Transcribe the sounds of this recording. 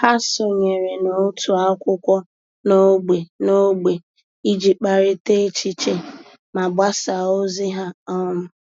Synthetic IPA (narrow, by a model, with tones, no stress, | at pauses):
ha˦so˨ɲe˨ɾe˨no˨˦tʰu˨a˦kʷʊ˦kʷɔ˦ | no˦ɡ͡be˨no˦ɡ͡be˨ | i˦d͡ʒi˨k͡pa˨ɾɪ˦te˦t͡ʃi˦t͡ʃe˦ | ma˨bʷa˦sa˨o˦zɪ˦ɦa˦ɔ˦mʊ˦